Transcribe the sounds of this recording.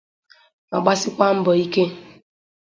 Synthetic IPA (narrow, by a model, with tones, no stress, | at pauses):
ma̰˨ɡ͡ba˦sɪ˦kʷa˦m̩˦bɔ˨i˦ke˦